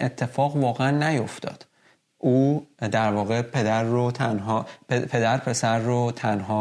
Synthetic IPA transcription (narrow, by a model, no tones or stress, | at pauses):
et̪ʰːe̞fɒːɣvɒːɣeænːæjo̞ft̪ɒ̰ːd̪̥ | ʔuːd̪æɾvɒːɣepʰe̞d̪æɾːot̪ʰænhɒːpepʰe̞d̪æɾpʰe̞sæɾːot̪ʰænɦɒː